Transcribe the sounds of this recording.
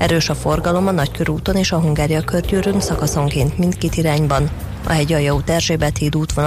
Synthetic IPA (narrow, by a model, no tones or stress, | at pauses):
ɛɾøːʃɒfo̞rɡɒlo̞mɒnɒckøɾuːt̪o̞neːʃɒɦuŋɡaːɾijɒkørɟøːɾøŋsɒkɒso̞ŋkeːnt̪mint̪ket̪iɾaːɲbɒn | ɒ̰ɦɛɟɒjɒut̪ɛrʒeːbɛt̪ʰeːd̪uːt̪ʋon